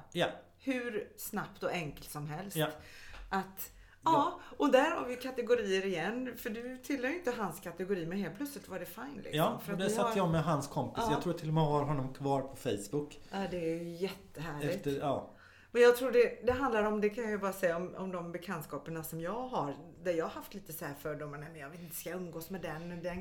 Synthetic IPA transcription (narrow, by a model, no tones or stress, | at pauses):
j | hʉ̟ɾsnapt̪ɔʔɛŋkəlt̪sɔmɦɛlst̪ʔat̪ | ɑːɔd̪æɾha̰ɾvɪkʰat̪ɛɡʊɾiːəɾɪjɛnːfœɖɵt̪ʰɪlːɛɾʏʏnt̪əɦanskʰat̪ɛɡʊɾiːmɛnɦeːl̚plɵt̪slɪt̪vaɖɛfaɪnlɪ̰ksmfœɾat̪d̪ɛsaːjɔmɛɦanskʰɔmpɪsjɑɾuːt̪ʰɪlːɔmɛhaɾɦɔnːɔmkʰvɑːɾpʰɔfɛjsbʊkː | ad̪ɛːjɵjɛt̪ʰːəɦæːɭɛɪtt̪əɑː | mɛnjɑːt̪ʰɾuːɖɛd̪ɛɦand̪laɾɔmd̪ɛkʰanjʏbɑːɾasɛjːaɔmɔ̰md̪ɔmbɛkʰɛnskɑːpəɳasɔmjɑːɡɦaɾd̪æɾjɑːhaɾhaft̪liːt̪əsɔhæːɾfœɖɔmnɛmɛnjɑɡveːt̪ɪnt̪ːə̥skaɵmːɡoːsmɛd̪ɛnːd̪ɛn